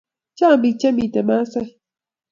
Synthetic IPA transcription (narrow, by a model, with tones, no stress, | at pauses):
t͡ʃa˦˨bi˨t͡ʃɛ˦mi˨tɛ˨ma˦sɛ˦